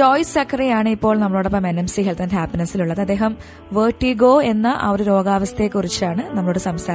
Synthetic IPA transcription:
t͡ɕoːjsɐkʰːɐrijaːɳɨipːo̞ːɭnɐmːɐɭuɽɐpːɐme̞nemsiɦelt̪ɐnɦaːpinɐsiluɭːɐðɐd̪ːe̞ːɦɐm | ʋeːʈːiɡo̞ːe̞nːɐʔɐʋoɾuɾo̞ːɡaːʋɐst̪e̞ːkːurit͡ɕːɨaːɳɨnɐmːɐɭuːɽesɐmst̪ʰaː

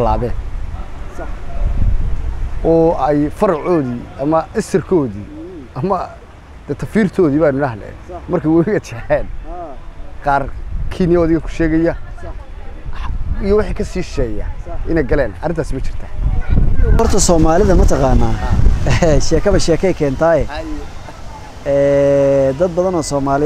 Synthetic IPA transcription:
laːβɛːn | ɔːɛjfɐɾʕɔːðiːʔɐmɐʔɪsɪrkʰɔːðiːɐmɐ | d̪̥ɛt̪ʰɐfiːrt̪ʰɔːðiːβaːnʊnɐɦlɛ̰ | mɐrkʰɐwawiɡɐt͡ʃɛħɛːn | qɑːrkʰinɪjɐðɪɣɐkʰʊ̥ʃɛːɣɛjɐ | ħijɔwɑħiːkʰɐsiːʃɛːja̰ʔɪnɛjɡɐlɛːnʔɐ̰rɪnt̪ʰaːsɪmɐt͡ʃʰɪ̥r̥t̪ʰa̰ː | hɔrt̪ʰɐsɔːmaːlɪðɐmɐt̪ʰɐqaːnːaːɛʃɛːkʰɐβɐʃɛːkʰɛjkʰɛːnt̪ʰaːjɛ | ɛːd̪ɐd̪̚bɐðɐnɔːsɔːmaːlɪ

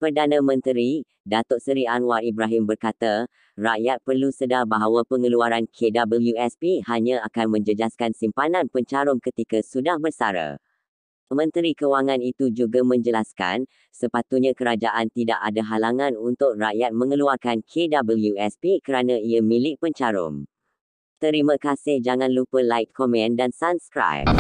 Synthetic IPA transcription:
pərdanãmə̃nt̪ɾi | dat̪ɔʔsəɾianwaribɾaɦimbərkat̪a | rajat̪̚pərlusədabaɦawapəŋəluaɾankʰedabəljuɛspihaɲãakanmə̃ɲd͡ʒəd͡ʒaskansimpanãnpəɲt͡ʃaɾʊŋkət̪ikasudahbərsaɾa̰ | mə̃nt̪əɾikəwaŋãnit̪ud͡ʒuɡamə̃ɲd͡ʒəlaska̰n | səpat̪uɲãkəɾad͡ʒaʔant̪idaʔadaɦalaŋãnunt̪ʊk̚raʔjat̪̚mə̃ŋəluarkankʰedabəljuɛspikəɾanãiamĩlɪʔ̚pəɲt͡ʃaɾʊ̰ŋ | t̪əɾimãkasɪhd͡ʒaŋãnlupəlajkʰːɔmɛ̃ndansabskɾa̰jp̚

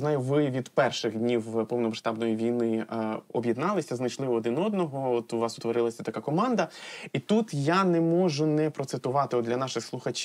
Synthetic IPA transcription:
znɑjʊʋɪʋʲid̪pɛrʃɪxdʲnʲiwpɔwnɔmɐʃt̪ɑbnɔjiʋʲijnɪɔbʲjid̪nɑlˠɪsʲɐznɐt͡ʃlˠɪʋɔːd̪ɪnɔd̪nɔɦɔɔt̪ʊʋɑsʊ̥t̪ʋɔɾɪlˠɐsʲɐt̪ɐkakɔmɑnd̪ɐit̪ut̪janɛmɔʒʊnɛpɾɔt̪sɪt̪ʊʋɑt̪ɪɔd̪d̪lʲɐnɑʃɪxslˠʊxɐt͡ʃʲ

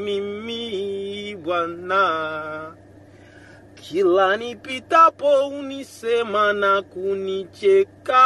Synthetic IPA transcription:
mimi | bana | kʰilanipit̪apounisemanakunit͡ʃeka

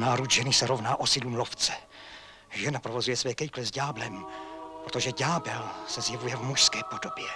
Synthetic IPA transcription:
naːɾud̪ʒɛnɪsɛɾovnaːʔosɪdluːmloft͡sɛ̥ | ʒɛnapɾovozujɛsvɛːkɛjklɛzɟaːblɛmpɾot̪oʒɛɟaːbɛlsɛzjɛvujɛvmuʃskɛːpodobjɛ

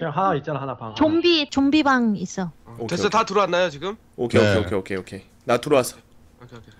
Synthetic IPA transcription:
ɦaait͡ɕ͈aɦanapat͡ɕombit͡ɕombibaŋis͈ʌtes͈ʌtatɯɾowanːajot͡ɕiɡɯm | okʰeokʰeokʰeokʰeokʰe | natɯɾowasʰʌ̥

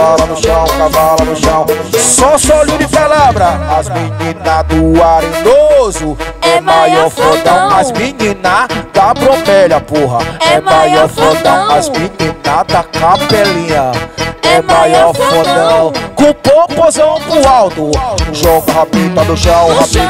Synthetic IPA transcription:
alɐnʊʃɐ̃w̃kavalɐd̪ʊʃɐ̃w̃sɔsɔlud͡ʒɪpalabɾɐazmiɲĩnɐd̪ʊaɾĩd̪ozʊɛmajɔɾfod̪ɐ̃w̃majzmiɲĩnɐd̪ɐbɾõbɛʎɐpoɦɐɛajɔɾfod̪ɐ̃w̃majzmĩɲĩnɐd̪ɐkapɛlĩɲɐɛmajɔɾfod̪ɐ̃w̃kũpopozɐ̃w̃kʊ̃awt̪ʊʊʒɔɡuɦapit̪ɐd̪ʊʃɐ̃w̃ɦapi

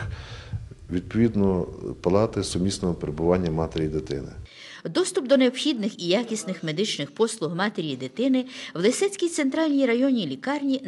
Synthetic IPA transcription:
ʋʲid̪̚pɔʋʲid̪nɔpɐlˠɑt̪ɪsɔmʲisnɔɦɔpeɾebʊʋɑnʲːɐmɑt̪eɾʲijid̪et̪ɪ̰nɪ̰ | d̪ɔst̪ʊpd̪ɔneɔpxʲid̪nɪxijakʲisnɪxme̞d̪ɪt͡ʃnɪxpɔslˠʊɦmɑt̪eɾʲijid̪et̪ɪnɪʋlˠɪsɛt͡sʲkʲijt̪sent̪ɾɑlʲnʲijrɐjɔnʲilʲikɑrnʲi

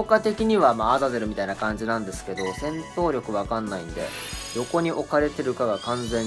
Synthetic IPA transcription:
kat̪e̞kʲiɲ̟iβamaːzaze̞ɾɯ̟mʲit̪ainakãɲ̟d͡ʑinãnd̪e̞sɨ̥ke̞d̪o̞sẽ̞nt̪o̞ːɾʲo̞kɯ̟βakãnːaḭ̃nd̪e̞̰ | jo̞ko̞ɲ̟iʔo̞kaɾe̞t̪e̞ɾɯ̟kaɡakãnzẽ̞

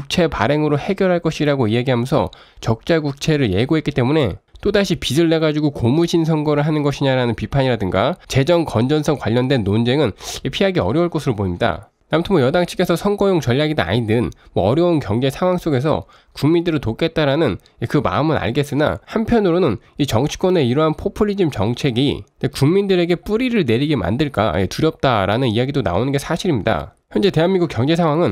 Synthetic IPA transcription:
kuk̚t͡ɕʰe̞pa̰ɾe̞ŋɯɾohe̞ɡjʌɾɦaɭk͈ʌɕʰiɾaɡoijaɡiɦamjʌnsʰʌ̰ | t͡ɕʌk̚t͡ɕ͈aɡuk̚t͡ɕʰe̞ɾɯɭje̞ɡoɦek͈it͈e̞mune̞t͈odaɕʰipidɯɭːe̞ɡad͡ʑuɡokomud͡ʑinsʰʌŋɡʌɾɯɭɦanɯnɡʌɕʰiɲaɾanɯnpipʰaɲiɾadɯŋɡat͡ɕe̞d͡ʑʌŋkʌnd͡ʑʌnsʰʌŋkwaʎːʌndwe̞nːond͡ʑe̞ŋɯnepʰiaɡeʌ̰ɾjʌuɭk͈ʌsʰɯɾopoimɲida̰ | namtʰɯnmwojʌdaŋt͡ɕʰi̥ke̞sʰʌsʰʌŋɡʌjoŋt͡ɕʌʎːaɡidoa̰ɲinɯnmwʌːɾjʌunkjʌŋd͡ʑe̞sʰaŋwaŋs͈oɡe̞sʰʌ̰ | kuŋmindɯɾitok͈e̞t̚t͈aɾanɯn | ekɯma̰ɯmɯna̰ɭɡe̞s͈ɯna̰hampʰjʌnɯɾonɯn | it͡ɕʌŋt͡ɕʰi̥k͈wʌne̞iɾʌɦanpʰopʰɯɾːid͡ʑimt͡ɕʌŋt͡ɕʰe̞ɡḭnekuŋmindɯɾe̞ɡe̞p͈uɾiɾɯɭne̞ɾiɡe̞ma̰ndɯɭk͈a̰jḛtuɾjʌp̚t͈aɾanɯnijaɡidona̰onɯnɡe̞sʰaɕʰiɾimɲida̰ | çjʌnd͡ʑe̞te̞ɦanmiŋɡukjʌŋd͡ʑe̞sʰaŋwaŋɯn

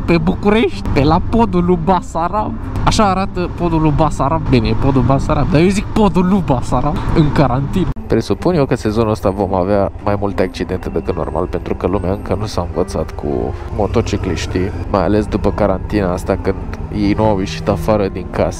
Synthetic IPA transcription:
pe̞bukuɾeʃt̪ʲpelapo̞d̪ulubasaɾab | aʃaːɾat̪əpod̪ulubasaɾabbineepod̪ulbasaɾab̚d̪ajewzik̚pod̪ulubasaɾʔabɨŋkaɾant̪inəpɾe̞supunjewkəse̞zo̞nuəst̪avo̞maveamajmult̪əak̚t͡ʃid̪e̞nt̪əd̪əkɨt̪no̰rma̰lpe̞nt̪ɾukəlumeaɨŋkənusaɨnvət̪sat̪kʰṵmo̞t̪ot͡ʃikliʃt̪imaja̰le̞sd̪upəkaɾant̪inaast̪akɨnd̪je̞jnuawjeʃi̥t̪afaɾəd̪iŋkasə̥

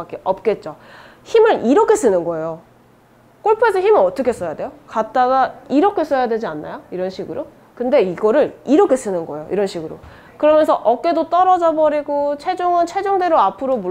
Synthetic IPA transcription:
ak͈eʔʌp̚k͈e̞t̚t͡ɕ͈o | çimɯɾiɾʌkʰe̞s͈ɯnɯnɡʌejo | k͈oɭpʰuesʰʌçimɯʌt͈ʌkʰe̞s͈ʌjadwe̞jokat̚t͈aɡaiɾʌkʰe̞s͈ʌjadwe̞d͡ʑianːa̰joiɾʌnɕʰiɡɯɾo | kɯnde̞iɡʌɾɯɾiɾʌkʰe̞s͈ɯnɯnɡʌejo̰ḭɾʌnɕʰiɡɯɾo̰ | kɯɾʌmjʌnsʰʌʔʌk͈e̞dot͈ʌɾʌd͡ʑʌbʌɾiɡot͡ɕʰe̞d͡ʑoŋɯnt͡ɕʰe̞d͡ʑoŋde̞ɾoapʰɯɾomu

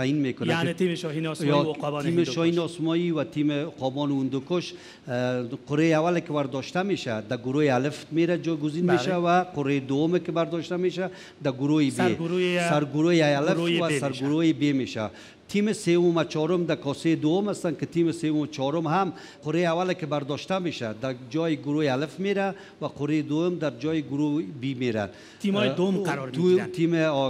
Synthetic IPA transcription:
t̪ajinmekʊnaet̪imʃɔɦinɔsjbɔimɪʃɔhinɔsmɔiwat̪ʰimɪqɔbɔnʊnd̪ʊkʊʃ | qʊɾejawalɪkɪwaɾd̪ɔʃt̪ameʃa̰d̪aɡʊɾojealɪft̪meɾad͡ʒɔjɡʊzinmeʃawaqʊɾed̪ʊwʊmɪkɪbaɾd̪ɔʃt̪ameʃa | d̪aɡʊɾojɪsbeɡuɾusaɾɡʊɾojeajalɪwasaɾɡʊɾojebemeʃa̰ | t̪ʰimɪsewʊmat͡ʃɔɾʊmd̪akɔsed̪owʊmast̪ankɪt̪imɪsewʊmt͡ʃʰɔɾʊmɦam | qʊɾeawalɪkɪbaɾd̪ɔʃt̪ameʃad̪ad͡ʒɔjɪɡʊɾojealɪfmeɾa | waqʊɾed̪ʊwʊmd̪aɾd͡ʒɔjɪɡʊɾobimeɾa̰n | t̪ijd̪wʊmqaɾɔɾt̪ʰimɪ

